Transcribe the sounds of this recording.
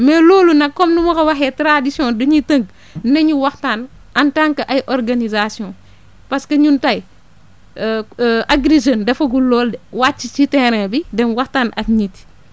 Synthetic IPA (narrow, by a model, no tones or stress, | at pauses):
mɛlɔːlunɐkːɔmnumɐkɐwɐxɛtɾadisjɔ̃ndɐɲitɐŋɡ | nɐɲuwɐxtaːn | ʔɐntaŋkɐʔɐjʔɔɾɡanizasijɔ̃ | pɐskɐɲuntɐj | ʔaɡɾezɔndɛfɐɡulɔːldwaːt͡ʃːit͡ʃitɛɾɛbidɛnwɐxtaːnʔɐkɲit